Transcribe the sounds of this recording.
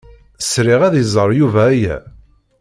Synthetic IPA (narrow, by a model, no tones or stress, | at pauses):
sɾɪʁæðjzˤəɾˤjuvæːjæ̰